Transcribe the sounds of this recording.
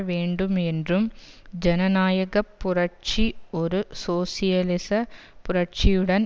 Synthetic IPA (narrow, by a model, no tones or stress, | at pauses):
ʋeːɳɖumendrumd͡ʑenɐnaːjɐɣɐpːurɐʈt͡ʃioɾusoːsijɐlisɐpʊrɐʈt͡ʃijuɽɐn